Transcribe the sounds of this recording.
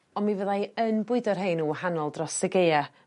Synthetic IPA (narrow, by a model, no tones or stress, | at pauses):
ɔnmivəðajənbʊɨdɔrɦenuːwahanɔlˠdrɔsəɡeja